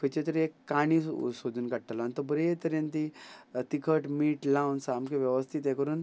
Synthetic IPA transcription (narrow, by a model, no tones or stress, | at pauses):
kʰet͡ɕet̪əɾekːaɽ̃isod̪ʱuːnkaɽʈalaanit̪əbəɾet̪əɾẽnt̪it̪ikʰəʈmiːʈlãwnsamkeʋjɛʋəst̪ʰit̪jakəɾuːn